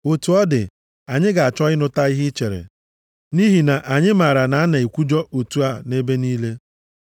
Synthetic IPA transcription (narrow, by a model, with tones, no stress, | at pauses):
o˨tu˨ɔ˦dɪ̰˨ | a˨ɲɪ˦ɡa˨a˨t͡ʃɔ˦ɪ˦nʊ˦ta˦i˦ɦɪ˦t͡ʃe˨ɾḛ˨ | ni˦ɦi˨na˨ʔa˨ɲɪ˦ma˨ɾa˨na˨a˦na˨i˨kʷu˦d͡ʒɔ˦o˨tu˨˦a˦ne˦be˦niː˦le˦